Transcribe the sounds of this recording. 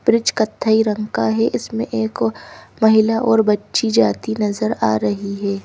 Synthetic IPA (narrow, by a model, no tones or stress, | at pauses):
b̥ɾɪd͡ʒkɐt̪ʰːaːiɾɐ̃ŋkaɦɛʔɪsmḛ̃ʔeːkmɐɦɪlaʔɔːɾbɐtːʃid͡ʒaːt̪inɐzəɾa̰ːɾɐɦiɦɛː